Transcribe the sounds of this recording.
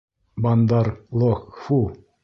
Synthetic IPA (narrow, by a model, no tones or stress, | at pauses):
bɑnd̪ɑɾlˠokfu